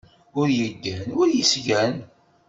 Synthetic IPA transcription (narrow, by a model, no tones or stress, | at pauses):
ʊɾjəɡːænʊɾjəsʝæn